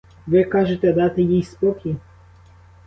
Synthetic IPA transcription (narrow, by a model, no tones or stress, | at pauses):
ʋɪkɑʒet̪ɛd̪ɑt̪ɪjijspɔkʲʰi